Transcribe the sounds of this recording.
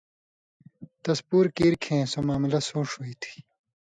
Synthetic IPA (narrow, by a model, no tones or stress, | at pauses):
t̪ɐspuːɾkiːɾkʰẽːsomaːmlɐsoːʂɦoiːt̪ʰi̥